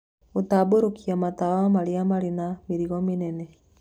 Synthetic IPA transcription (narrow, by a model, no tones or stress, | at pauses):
otaboɾokʰiamatawaamaɾeamaɾenameɾiɣɔmenɛnɛ